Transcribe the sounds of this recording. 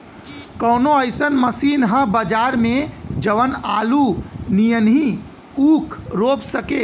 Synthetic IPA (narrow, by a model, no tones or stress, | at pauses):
kɔːnoəɪsənməsiːnɦə̃bəd͡ʒaːɾmẽd͡ʒəʋənaːlunijənɦi | uːkʰɾoːpsəkeː